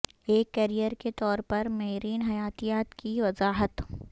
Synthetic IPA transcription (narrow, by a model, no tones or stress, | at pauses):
eːkːɐɾijəɾket̪ɔːɾpɐɾmɐɦɾiːnɦɐjaːt̪ijaːt̪kiʋɐzaːɦət̪